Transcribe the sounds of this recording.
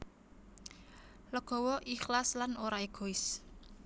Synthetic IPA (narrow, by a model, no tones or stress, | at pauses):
ləɡ̥ɔ̤wɔʔixlaslanoɾaeɡ̥oɪs